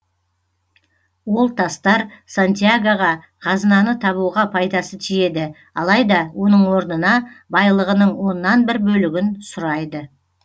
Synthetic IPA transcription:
wo̞lˠt̪ʰɑst̪ɑɾsant̪ʲijaɡoʁɑ | qʰɑzənɑnət̪ʰɑβuʁɑpʰɑjd̪ɑsət̪ʰije̞d̪ɪ | ɑlˠɑjd̪ɑwo̞nəɴwo̞ɾnənɑbɑjlˠəʁənəɴwo̞nːɑnbɪɾbɵlɪɡʲɪnsʊɾɑjd̪ə

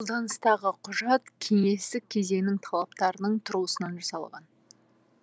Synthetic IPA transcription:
olˠd̪ɑnəst̪ɑʁəqʰʊʒɑt̪kʲʰe̞ŋe̞st̪ɪk̚ʲʰːe̞ze̞ŋnɪŋt̪ʰɑlˠɑp̚t̪ɑɾənəɴt̪ʰʊɾuəsənɑnʒɑsɑlˠʁɑ̰n

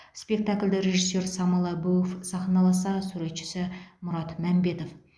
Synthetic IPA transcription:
spʲe̞k̚t̪akʲlʲd̪ɪɾe̞ʒisːe̞ɾsɑmɑlˠɑbɵwfsɑχnɑlˠɑsɑɾəsuɾet̪ʃɪ̥sɪmʊɾɑt̪mæmbe̞t̪of

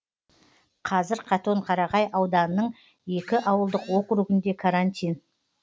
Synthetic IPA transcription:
qʰɑzɪɾqʰɑt̪o̞ɴqʰɑɾɑʁɑjʔɑwd̪ɑnənːəɴ | je̞kʲɪʔɑwəlˠd̪əqwo̞qɾʊɡɪnd̪e̞kʰaɾanʲt̪ʲijn

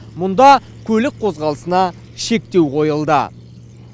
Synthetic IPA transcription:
mʊnd̪ɑ | kʲʰɵlɪk̚qʰo̞zʁɑlˠəsənɑ | ʃe̞k̚t̪e̞wqʰo̞jəlˠd̪ə

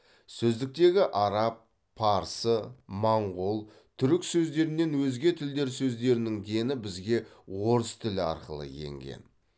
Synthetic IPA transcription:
sɵzd̪ɪk̚t̪e̞ɡʲɪʔɑɾɑp̚ːʰ | ɑɾsəmɑɴʁolˠ | t̪ʰʏɾɪksɵzd̪e̞ɾɪnːe̞nwɵzɡʲe̞t̪ʰɪld̪e̞ɾsɵzd̪e̞ɾɪnɪŋɡʲe̞nɪbɪzɡʲe̞woɾəst̪ʰɪlɪɑ̰ɾqəlˠə̰je̞̰ŋɡʲe̞̰n

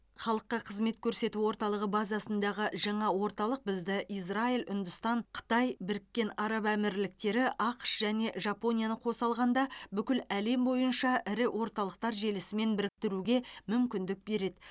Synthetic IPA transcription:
χɑlˠəqːɑqʰəzme̞t̪kʲʰɵɾse̞t̪uwo̞ɾt̪ɑlˠəʁəbɑzɑsənd̪ɑʁəʒɑɴɑwo̞ɾt̪ɑlˠəq̚bɪzd̪ɪʔijsraijlʏ̰nd̪ʊst̪ɑɴqʰə̥t̪ɑjbɪɾɪkʲːe̞nɑɾɑbæmɪɾlɪk̚t̪e̞ɾɪʔɑqʃʒæne̞ʒɑpo̞nʲijanəqʰo̞sɑlˠʁɑnd̪ɑbʏkʲɪlæle̞mbo̞jənʃɑʔɪɾɪwʔo̞ɾt̪ɑlˠəq̚t̪ɑɾʒe̞lɪsɪme̞nbɪɾɪk̚t̪ɪɾuɡʲe̞mʏmkʲɪnd̪ɪk̚be̞ɾe̞d̪ɪ

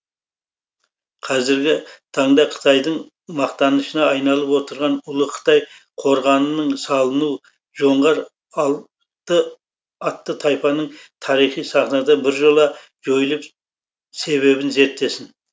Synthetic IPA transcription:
qʰɑzɪɾɡʲɪt̪ʰɑɴd̪ɑqʰə̥t̪ʰɑjd̪əɴ | mɑqt̪ɑnəʃənɑːjnɑlˠəpwo̞t̪əɾʁɑnʊlˠəqʰə̥t̪ɑj | qʰo̞ɾʁɑnənəɴsɑlˠənuw | ʒo̞ɴʁɑɾˠ | t̪ːə | ɑt̪ːət̪ʰɑjpɑnəɴt̪ʰɑɾijχijsɑχnɑd̪ɑbɪɾʒo̞lˠɑ | ʒo̞jlˠəp | se̞βe̞βɪnze̞ɾt̪ːe̞sɪn

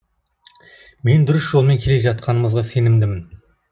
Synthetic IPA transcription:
me̞nd̪ʊɾɪsʒ̥o̞lˠme̞ŋkʲʰe̞le̞ʒɑt̪̚qʰɑnəməzʁɑse̞nɪmd̪ɪmɪn

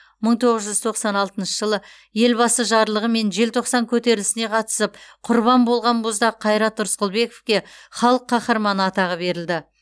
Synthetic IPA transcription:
məɴt̪ʰo̞ʁəzʒʏzt̪ʰo̞qsɑnɑlˠt̪ənʃəʒəlˠə | je̞lbɑsəʒɑɾlˠəʁəme̞nʒe̞lt̪ʰo̞qsɑŋkʲʰɵt̪e̞ɾlɪsɪne̞qʰɑt̪ə̥səpqʰʊɾβɑmbo̞lˠʁɑnbʊzd̪ɑqʰɑjɾɑt̪ːʊɾsqəlˠbe̞ko̥fkʲe̞χɑlˠəqʰːɑχəɾmɑnəɑt̪ɑʁəbe̞ɾɪld̪ɪ

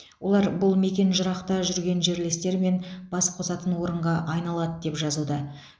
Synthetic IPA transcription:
wo̞lˠɑɾbʊlˠme̞kʲe̞nʒʊɾɑqt̪ɑʒʏɾɡʲe̞nʒe̞ɾlest̪e̞ɾme̞nb̥ɑsqʰo̞sɑt̪ənwo̞ɾəɴʁɑʔɑjnɑlˠɑd̪əd̪e̞pʒɑzud̪ɑ

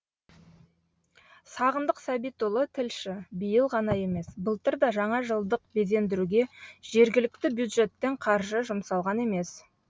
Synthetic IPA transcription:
sɑʁənd̪əqsæbijt̪ʊlˠət̪ʰɪlʃɪbijəlˠʁɑnɑje̞me̞sbəlˠt̪əɾd̪ɑʒɑɴɑʒəlˠd̪əq̚be̞ze̞nd̪ɪɾuɡʲe̞ʒ̥e̞ɾɡʲɪlɪk̚t̪ɪbjud̪ʒe̞t̪ːe̞ŋqʰɑɾʒəʒʊmsɑlˠʁɑne̞me̞s

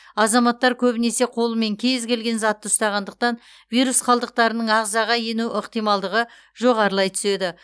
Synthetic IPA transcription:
ɑzɑmɑt̪ːɑɾkʲʰɵbɪne̞se̞qʰo̞lˠəme̞ŋkʲʰe̞zɡʲe̞lɡʲe̞nzɑt̪ːəʊst̪ɑʁɑnd̪əq̚t̪ɑn | vijɾusqʰɑlˠd̪əq̚t̪ɑɾənəɴɑʁzɑʁɑje̞nuʔəqt̪ijmɑlˠd̪əʁə | ʒo̞ʁɑɾəlˠɑjt̪ʰʏ̥se̞d̪ɪ

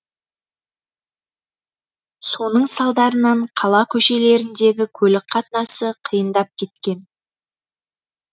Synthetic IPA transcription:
so̞nəɴsɑlˠd̪ɑɾənɑɴqʰɑlˠɑkʲʰɵʃe̞le̞ɾɪnd̪e̞ɡʲɪkʲʰɵlɪk̚qʰɑt̪nɑsəqʰəjənd̪ɑp̚kʲʰe̞t̪̚kʲe̞n

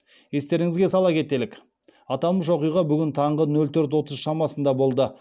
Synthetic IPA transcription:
je̞st̪e̞ɾɪŋɪzɡʲe̞sɑlˠɑkʲʰe̞t̪e̞lɪk | ɑt̪ɑlˠməʃ̬wo̞qijʁɑbʏɡʲɪnt̪ʰɑɴʁənɵlt̪ʰɵɾt̪̬wo̞t̪əzʃɑmɑsənd̪ɑbo̞lˠd̪ə

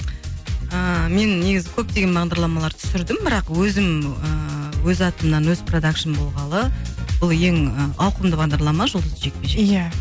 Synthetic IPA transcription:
əme̞nːe̞ɡʲɪzɪkʲʰɵp̚t̪e̞ɡʲe̞nbɑʁd̪ɑɾlˠɑmɑlˠɑɾt̪ʰʏ̥sɪɾd̪ɪmbɪɾɑqwɵzɪməwɵzɑt̪əmənɑnwɵz̥prod̪akʃənbolˠʁɑlˠəb̥ʊlˠje̞ŋəɑwqəmd̪əbɑʁd̪ɑɾlˠɑmɑʒʊlˠd̪əd̪əʒe̞k̪̚pʲe̞ʒeja

